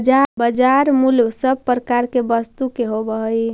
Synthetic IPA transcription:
d͡ʒabəd͡ʒaɾmulbsəbpɾəkaɾkebəst̪ukeɦobəɦəj

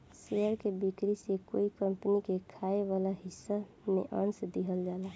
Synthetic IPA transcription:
seəɾkebikɾisekoikəmpənikekʰaeβalaɦisːa | mḛʔənsd̪iɦəld͡ʒala

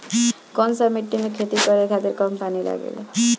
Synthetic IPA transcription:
kɔnsamiʈːinekʰet̪ikɔɾeɡʱad̪eɾkɔmpanila̰ɡḛlḛ

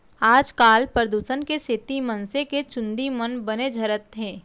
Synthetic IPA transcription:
aːd͡ʒkaːlpɾɾəd̪uːsənkeset̪imə̃nseket͡ʃʊ̃nd̪imənbɐned͡ʒʱɐɾət̪ɦẽː

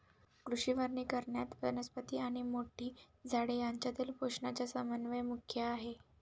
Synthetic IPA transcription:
kɾuʂiʋəɾɳiːkəɾɳjat̪ʋənəspət̪iːaɽ̃imoʈʰiː | d͡zʱaɽejaɲt͡ɕjat̪iːlpoʂɳat͡ɕjasəmənʋəjmukʰjəaɦe

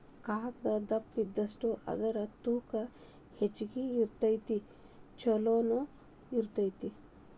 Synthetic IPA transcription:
kaːkd̪ɐd̪ɐpːid̪ːɐsʈuʔɐ̰d̪ɐɾɐt̪uːkɐ | het͡ʃːiɡiːɾt̪ɐjt̪i | t͡ʃɐloːnu | iɾt̪ɐjt̪i

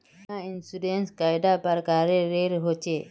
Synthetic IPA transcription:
ãɪnsiɖenskaːɪd̪apɐɾkaːɾeɾeːɾɦot͡ʃe

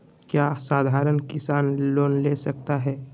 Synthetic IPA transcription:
kjasaːd̪ʱaːɾənkɪsaːnloːnlesək̚t̪aɦɛː

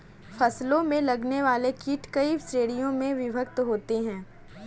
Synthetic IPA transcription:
fʰɐslõmẽlɐɡneʋaːlekiʈkɐisɾeːɽijõmẽʋɪbʱəkt̪ɦoːt̪eɦɛ̃ː

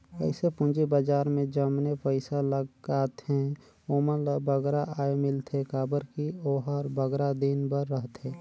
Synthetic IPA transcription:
ə̰ɪsepʊ̃d͡ʒibad͡ʒaːɾmẽd͡ʒəmnepəɪsaləɡɡaːt̪ẽ | oməlbəɡɾaʔaːemɪlt̪ʰekaːbəɾkioːɦəɾbəɡɾad̪inbəɾːəɦt̪eː

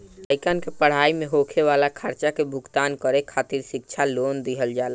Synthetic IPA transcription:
t̪əɪkənkepəɽ̤aimeɦokʰeʋalakʰəɾt͡ʃakebʱʊɡt̪ankəɾekʰat̪iɾsik̚t͡ʃʰalond̪iɦəld͡ʒal

